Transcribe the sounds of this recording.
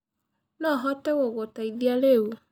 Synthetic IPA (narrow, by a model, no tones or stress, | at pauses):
nɔɦɔtɛɣoɣotaiðialewu